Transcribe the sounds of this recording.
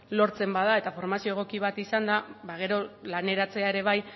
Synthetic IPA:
lo̞ɾt͡se̞mbað̞ae̞t̪afo̞ɾmasio̞eɣ̞o̞kiβ̞at̪isand̪aβaɣ̞e̞ɾo̞lane̞ɾat͡se̞ae̞ɾe̞β̞aj

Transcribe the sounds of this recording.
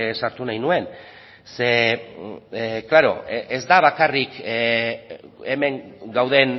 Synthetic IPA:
saɾt̪unajnue̞n | se̞ | klaɾo̞̰ʔezd̪aβ̞akarik | eme̞ŋɡawðe̞n

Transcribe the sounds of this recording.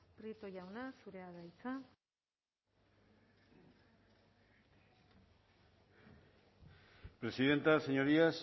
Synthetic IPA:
pɾit̪oʝawnasuɾeaðajt͡sa | pɾe̞siðe̞nt̪aseɲo̞ɾias

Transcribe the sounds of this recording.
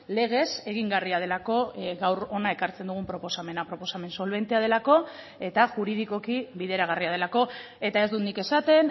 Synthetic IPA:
le̞ɣ̞e̞se̞ɣ̞iŋɡariað̞e̞lako̞ɡawɾo̞nae̞kaɾt͡send̪uɣ̞umpɾo̞po̞same̞napɾo̞po̞same̞nso̞lβ̞e̞nt̪eað̞e̞lako̞ | e̞t̪aʝuɾið̞iko̞kiβiðe̞ɾaɣ̞ariað̞e̞lako̞ | e̞t̪ae̞zd̪unike̞sat̪e̞n

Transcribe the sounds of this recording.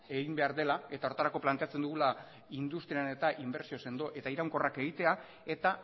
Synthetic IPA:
e̞ɣimbe̞aɾðe̞lae̞t̪ao̞ɾt̪aɾako̞plant̪e̞at͡se̞nd̪uɣula | ind̪ust̪ɾiane̞t̪aʔimbe̞ɾsio̞se̞nd̪o̞ʔe̞t̪aiɾawŋko̞rake̞ɣ̞it̪e̞a | e̞t̪a

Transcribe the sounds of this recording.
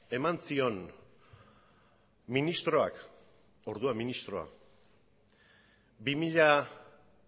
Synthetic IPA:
e̞mansio̞n | minist̪ɾo̞a̰k | o̞ɾðuaminist̪ɾo̞a̰ | bimiʎa

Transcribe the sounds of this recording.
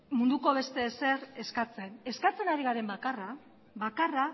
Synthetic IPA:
mund̪uko̞β̞e̞st̪e̞se̞ɾe̞skat͡se̞ne̞skat͡se̞naɾiɣaɾe̞mbakara | βakara

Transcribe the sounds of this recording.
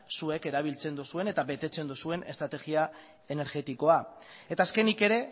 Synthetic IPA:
sue̞ke̞ɾaβ̞ilt͡se̞nd̪usue̞ne̞t̪aβe̞t̪e̞t͡se̞nd̪usue̞ne̞st̪ɾat̪e̞ɣia | e̞ne̞ɾɣe̞t̪iko̞ae̞t̪aːske̞nike̞ɾe̞

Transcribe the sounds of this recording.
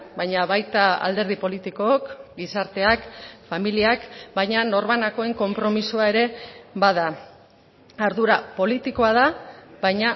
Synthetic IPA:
bajɲaβajt̪aa̰ld̪e̞ɾð̞ipo̞lit̪iko̞ːkɡisaɾt̪e̞akfamiliakbajɲano̞ɾβanako̞e̞ŋko̞mpɾo̞misuae̞ɾe̞βaða | aɾðuɾapo̞lit̪iko̞aðaβajɲa

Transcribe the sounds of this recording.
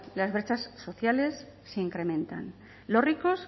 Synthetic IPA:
lazβɾet͡ʃasːo̞θjale̞sːeiŋkɾe̞mẽ̞nt̪a̰n | lo̞rriko̞s

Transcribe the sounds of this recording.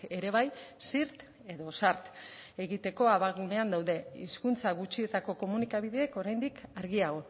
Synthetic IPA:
e̞ɾe̞β̞ajsiɾt̪ | e̞ðo̞saɾt̪e̞ɣit̪e̞ko̞aβaɣune̞and̪awðe̞ḭskunt͡saɣut͡ʃie̞t̪ako̞ko̞munikaβ̞iðe̞ːko̞ɾajnd̪ikaɾɣiaɣ̞o̞

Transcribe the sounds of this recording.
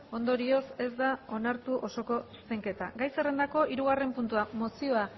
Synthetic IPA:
o̞nd̪o̞ɾio̞se̞zd̪ao̞naɾt̪uʔo̞so̞ko̞su̥se̞ŋke̞t̪aɡajse̞re̞nd̪ako̞ʔiɾuɣare̞mpunt̪uamo̞sio̞a

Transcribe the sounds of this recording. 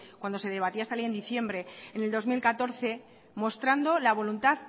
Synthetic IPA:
kwand̪o̞se̞ðe̞β̞at̪iaest̪aleje̞nd̪iθje̞mbɾe̞ene̞ld̪o̞zmilkat̪o̞ɾθe̞ | mo̞st̪ɾand̪o̞laβ̞o̞lunt̪að

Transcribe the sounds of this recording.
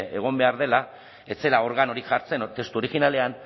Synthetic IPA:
e̞ɣ̞o̞mbe̞aɾð̞e̞la | e̞t͡se̞lao̞ɾɣano̞ɾiʝaɾt͡se̞not̪e̞st̪uo̞ɾiɣinale̞an

